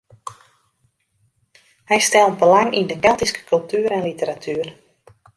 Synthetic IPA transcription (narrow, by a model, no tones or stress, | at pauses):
hɛjstɛlˠtbəlaŋindəkɛlˠtiskə̥kʰɵlˠtʰyəɾɛnlitəɾatʰyːər